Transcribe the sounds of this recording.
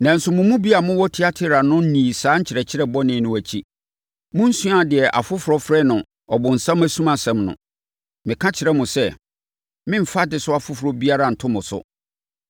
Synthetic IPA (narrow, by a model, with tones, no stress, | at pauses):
nã˨n̩˨sʊ˦mʊ̃˨mũ˦bi˦a˨mʊ̃˦wɔ˦tʰi˦a˦tʰɪ˦ɾa˨nʊ̃˦n̩˦nĩː˨saː˨˦ɲ̩˦t͡ɕʰɪ˨ɾɛ˨t͡ɕʰɪ˦ɾɛ˦bɔ˦nɪ̃˨˦nʊ̃˨æ˨t͡ɕʰi˦ | mʊ̃˦n̩˦sũ˦a˨dɪ˨ɛ˨ʔa̰˨fʊ˦fʊ˨ɾɔ˦fɾɛ˦nʊ̃˨ | ɔ˨bʊ̃˨n̩˨sã˦mæ˦sũ˦mã˨sɛ̃˨mnʊ̰̃˨ | mɪ̃˨kʰã˦t͡ɕʰɪ˨ɾɛ˦mʊ̃˨sɛ˦˨ | mɪ̃˦m̩˨fa˦dɪ˨˦sʊ˦a˨fʊ˦fʊ˨ɾɔ˦bi˦a˦ɾa˨n̩˨tʰʊ̃˦mʊ̃˨sʊ̰˦